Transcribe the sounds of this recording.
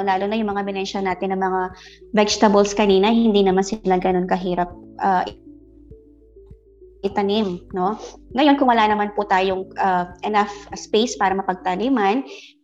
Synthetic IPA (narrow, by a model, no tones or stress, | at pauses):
laːlʊnɐjʊŋmɐŋabɪnɛnʃɐnaːt̪ɪnːɐŋmɐŋavɛd͡ʒt̪ɐbɐlskɐniːnɐhɪɪnd̪inɐmansɪlaɡɐno̞nkɐɦiːɾɐp̚ʔɐʔ | ʔɪt̪ɐnɪmno̞ŋɐjo̞nkʊŋwɐlaːnɐmanpʊt̪aːjoŋʔɐʔɛnafspejspaːɾɐmɐpɐɡ̚t̪ɐliman